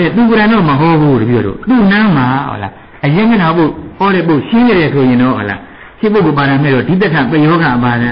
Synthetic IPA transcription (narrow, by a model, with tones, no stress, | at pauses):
ɛ˨t̪u˨k̬o˨ɾã˨nɔ˦˨məɦɔ˦bu˦˨də˨bi˦˨ɔ̰˨ɾo̰˦˨t̪u˨nã˦ma˨ɔ̰˦la̰˨ | ʔəjɪ̃˦ŋə˦˨nã˨po˦˨hɔ˦ɾɛ˦˨po˦˨ʔʃɪ̃˦ne˨ɾɛ˨sʰo˨jɪ̃˨ndɔ̰˦˨hɔ̰˨la̰˨ | ʃʰe˦˨pːo˦˨kːo˨pa˨ɾã˨mɛ˦˨ɾɔ˦˨di˨t̪̬ɛ˦tʰã˨pɛ˦˨jɔ˦ɡa˨ʔəpa˨zã˨˦˨